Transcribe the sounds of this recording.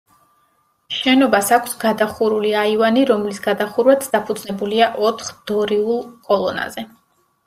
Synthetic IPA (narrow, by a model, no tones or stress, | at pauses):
ʃɛnɔbasakʷʰsɡad̪aχuɾuliaivaniɾɔmlisɡad̪aχuɾwat̪sʰd̪apʰud̪znɛbuliaʔɔt̪ʰχd̪̥ɔɾiulˠkʼɔlˠɔna̰zɛ